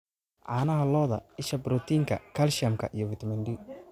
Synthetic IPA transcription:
ʕaːnɐɦɐlɔːðɐ̰ɪʃɐbɾɔt̪ʰiːŋkʰɐ̰kʰɐlʃɐmkʰɐ̰ʔijɔwɪt̪mɐnɖi

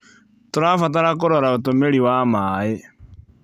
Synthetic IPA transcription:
toɾafat̬aɾak̬oɾɔɾaotomeɾiwamae

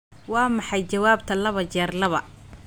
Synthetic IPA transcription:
wɑːmɑħɑjt͡ʃɐwaːb̚t̪ʰɐlɐβɐt͡ʃɛːrlɐβɐ

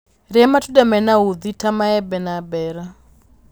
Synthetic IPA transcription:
ɾiamatudamɛnauðitʰamaɛbɛnabɛɾa

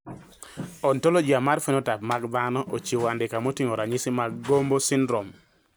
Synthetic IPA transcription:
ɔntolod͡ʒiamaɾfenotapmaɡd̪anɔʔot͡ʃiwandɪkamotiŋoɾaɲɪsɪmaɡɡombosɪndɾɔm

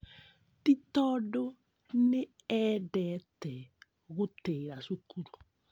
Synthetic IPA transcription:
titɔdo | ne | ɛdɛtɛ | ɣoteɾaʃukuɾu

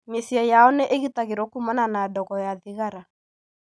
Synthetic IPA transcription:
mesiajaɔnɛʔeɣitaɣeɾɔkumɔnanadɔɣɔjaðiɣaɾa

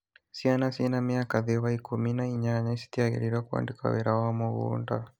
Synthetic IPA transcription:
sianasiɛnamiakaðɛβaikuminaiɲaɲaisi̥t̪iaɣḭɾiɾwakua̰ndika̰wɛɾawamɔɣṵnda

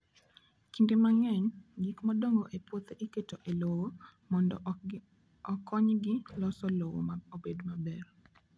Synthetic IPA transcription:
kindemaŋɛɲɡikmadoŋɡoʔepwot̪eʔiketoʔelowomɔndɔ̰ | ɔkɔɲɡɪlɔsɔlowo̰obedmabɛr

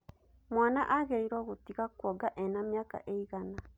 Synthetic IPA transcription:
mwaːnaʔaɣeiɾwɔɣutiɣakwɔɡaʔɛnamjaka̰ʔeiɣana

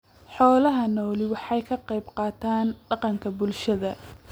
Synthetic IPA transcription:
ħɔːlɐɦɐnɔːlɪwɑħɑjkʰɐqɑjbqɑːt̪ʰaːnɖɑqɑŋkʰɐbʊlʃɐðɐ

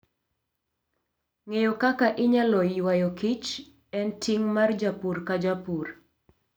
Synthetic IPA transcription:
ŋejɔkakaʔɪɲalɔwajɔkit͡ʃ | ɛntiŋmard͡ʒapurkad͡ʒapur

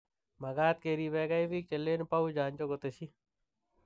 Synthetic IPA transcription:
mɐɡaːt̪̚keːɾiːbeːɡaibiːk̚t͡ʃɐlːeːnpaud͡ʒãːnt͡ʃoɡot̪esi

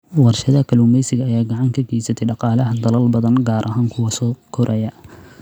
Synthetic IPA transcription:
wɑrʃɐðɐkʰɐluːmɛjsɪɣɐːjaːɡɑʕɑŋkʰɐɡɛːsɐt̪ʰɛjɖɑqɑːlɐɦɐd̪ɐlɐlbɐðɐnɡaːɾʔɐɦaːŋkʰʊwɐsɔːkʰɔɾʔɐjɐ

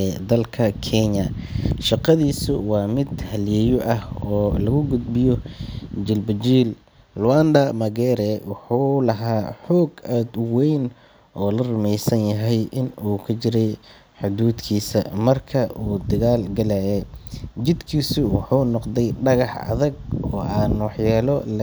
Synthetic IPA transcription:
d̪ɐlkʰɐkʰɛɲɐʃɑqɑðiːsʊwɑːmɪd̪hɐljɛːjɔʔɐhɔːlɐɣʊɡʊd̪̚bɪjɔd͡ʒɪlbɐd͡ʒiːl | lʊwand̪ɐmɐɡɛːɾɛwʊħuːlɐɦaːħɔːɡaːd̪wɛjn | ʔɔːlɐrʊmɛjsɐnjɐɦɛjʔɪnuːkʰɐt͡ʃɪɾɛj | ħʊd̪uːd̪kʰiːsɐmɐrkʰɐʔuːd̪ɐɣaːlɡɐlɛjɛd͡ʒɪd̪kʰiːsʊwɑħuːnɔqd̪ɛjɖɐɣɑħɐ̰ðɐɡ̚ɔːʔaːnwɑħjaːlɔl

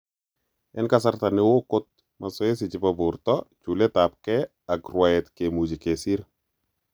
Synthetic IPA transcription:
ɛnkasaɾtanɪwokʊt̪̚ | masɔjɛs̬ɪt͡ʃɪpabʊɾtɔt͡ʃuletap̚kɛ | akrwaɛt̪kemud͡ʒikesiɾ

